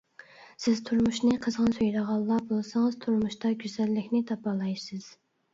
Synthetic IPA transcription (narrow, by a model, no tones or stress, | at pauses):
sɪz̥t̪ʰuɾmuʃnɨqʰəzʁɑnsøjɾɑʁɑlˠːɑbolˠsɑŋəz̥t̪ʰuɾmuʃt̪ɑɡʲyzɛlːɪkʲnɪt̪ʰɑpɑlˠɑjsɨz̥